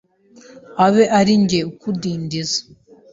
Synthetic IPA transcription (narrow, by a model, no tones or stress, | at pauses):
aβe̞ʔaɾiɲɟeukudiːndizḁ